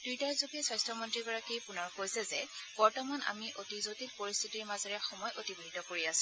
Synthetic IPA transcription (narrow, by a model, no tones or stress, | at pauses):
d̥ujtajzoɡɛsajstɹɔmɔntɹiɡɔɹakijpʊnaɹkojsɛzɛb̥ɔɹtɔmana̰miʔotizotitpoɹist̪ʰitiɹmazɔɹɛxɔmɔjʔotiboɦitɔkoɹiasɛ̃